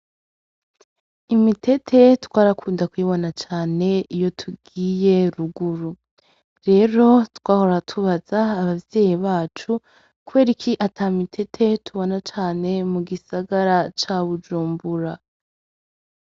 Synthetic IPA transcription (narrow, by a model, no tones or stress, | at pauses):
imitʰe̞tʰe̞twaːɾakʰuːndakwiːβonat͡ʃaːne̞ijo̞tʰuɡiːje̞ɾuɡuɾu | ɾe̞ɾo̞twaːho̞ɾatʰuβazaːβavje̞ːjiβaːt͡ʃu | kuwe̞ːɾikʰiʔatʰamitʰe̞tʰe̞tʰuβo̞nat͡ʃaːne̞muɡisaɡaɾat͡ʃaβud͡ʒuːmbuɾa